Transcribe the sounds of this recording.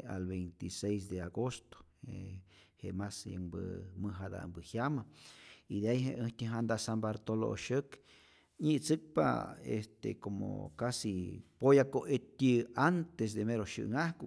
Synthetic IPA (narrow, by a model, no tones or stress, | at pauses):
a̰lβejnt̪isejs̬d̪eaɡost̪o̥ehḛmasjə̰mbɨmɨɦad̪a̰mbɨhjamaid̪eajɦeʔəht̪ʲiɦand̪aʔsambaɾt̪olo̰ʃək | ɲit͡sɨk̚pa̰ḛst̪ḛkomo̰kasipojakoʔet̪ʲiant̪es̬d̪emeɾoʃɨ̰ʔŋahku